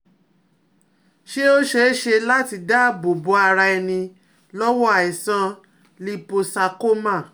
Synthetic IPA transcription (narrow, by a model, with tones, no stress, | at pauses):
ʃe˦o˦ʃe˦ʃe˧la˦ti˧da˦˨bo˨bo˨˦a˧ɾa˧ɛ˧nĩ˧ | lɔ˦wɔ˦a˨i˨sã˧ | li˦po˧sa˧ko˦mã˦˨